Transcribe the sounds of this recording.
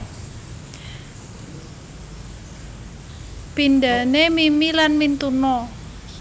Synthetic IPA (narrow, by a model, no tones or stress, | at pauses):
pindanemimilanmint̪unɔ